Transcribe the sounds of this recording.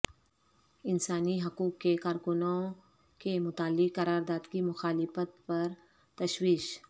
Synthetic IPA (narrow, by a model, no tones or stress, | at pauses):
ɪnsaːniɦɐkuːkːekaːɾkʊnõ | kemʊt̪aːlːɪkːɐɾaːɾd̪aːd̪kimʊxaːlɪfət̪pɐɾ | t̪ɐʃwiːʃ